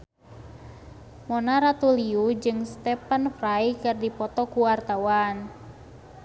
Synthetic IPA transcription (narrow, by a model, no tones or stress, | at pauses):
mɔnaɾat̪uliud͡ʒɨŋst̪ɛpənfrajkɨrdipɔt̪ɔkuwart̪awan